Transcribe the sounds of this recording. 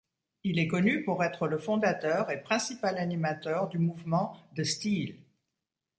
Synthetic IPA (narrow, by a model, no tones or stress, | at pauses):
ilɛkɔnypuʁɛt̪χələfɔ̃d̪at̪œʁepχɛ̃sipalanimat̪œʁd̪ymuvmɑ̃d̪əst̪il